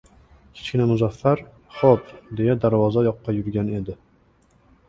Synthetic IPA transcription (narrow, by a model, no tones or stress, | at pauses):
kʲʰe̥t͡ʃkʲɪnamʊzafːaɾ | χopd̪e̞jad̪aɾvɒzajɒqːɑjʊɾɡʲane̞d̪ɪ